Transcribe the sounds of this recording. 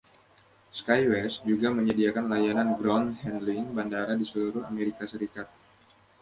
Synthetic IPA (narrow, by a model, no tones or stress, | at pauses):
skajwɛsd͡ʒuɡaməɲədiakanlajananɡɾɔnhɛndliŋbandaɾadisəluɾʊɦa̰meɾikasəɾikat̪̚